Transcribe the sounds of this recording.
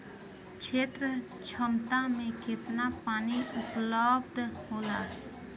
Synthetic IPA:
t͡ʃʰeːt̪ɾə | t͡ʃʰəmt̪ãːmeket̪napaːniupləb̚d̪hoːlaː

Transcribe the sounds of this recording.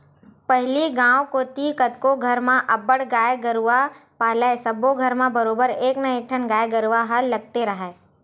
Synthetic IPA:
pəɦliɡãːwkoːt̪ikɐt̪koɡʱɐɾmãʔɐbəɽɡaːjeɡəɾuapaːlaesɐboɡʱɐɾmãbɐɾoːbəɾeːknɐekʈʰənɡaːeɡɐɾuʋaɦɐlːɐɡ̚t̪eɾɐɦɛː

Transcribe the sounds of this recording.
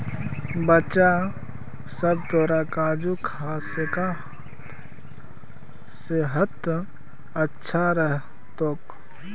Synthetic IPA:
bət͡ʃa | səb̚t̪oːɾakaːd͡ʒukʰaːseka | seɦət̪ | ətːʃʰaɾəɦ | t̪ok

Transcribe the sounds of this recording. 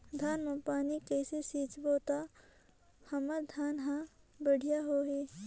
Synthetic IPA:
d̪ʱaːnmepaːnikɛːsesiːt͡ʃboːt̪a | hɐmad̪ʱaːnɦã | bəɽ̤ʱijaɦoɦe

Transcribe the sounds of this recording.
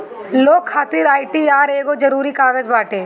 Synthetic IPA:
loːkʰːaːt̪iːɾaːɪʈiaːɾeːɡod͡ʒɐɾuːɾikaːɡəd͡ʒbaːʈeː

